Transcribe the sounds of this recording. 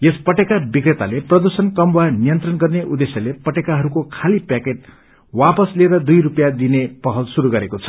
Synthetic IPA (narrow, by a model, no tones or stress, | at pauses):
jespʌʈekabikret̪aleprʌd̪ursʌnkʌmwanijʌnt̪rʌnɡʌrneʔud̪esjʌlepʌʈekaɦʌɾukokʰalipakeʈ̚ | wapʌsleɾʌd̪ujɾupjad̪inepʌɦʌlsuɾuɡʌɾekot͡sʰʌ̥